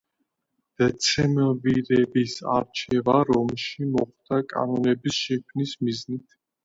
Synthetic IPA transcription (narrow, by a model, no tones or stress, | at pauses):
d̪̥ɛt̪sʰɛmviɾɛbisa̰ɾt͡ʃʰɛvaɾɔmʃimɔχd̪̥akʼa̰nɔnɛbisʃɛkʰwvnismiznit̪ʰ